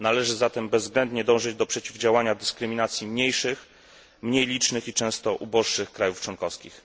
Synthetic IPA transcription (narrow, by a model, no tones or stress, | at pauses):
nalɛʐɘzat̪ɛmbɛzːɡɾɛnd̪ɲɛd̪ɔ̃w̃ʐɘd͡ʑd̪ɔpʂɛt͡ɕivd͡ʑawaɲad̪ɘskɾɘmʲinat̪sʲjimɲejʂɘx | mɲejlʲit͡ʂnɘxit͡ʂɛ̃w̃st̪ɔʔubɔʂːɘxkɾajuft͡ʂwɔŋkɔfskʲix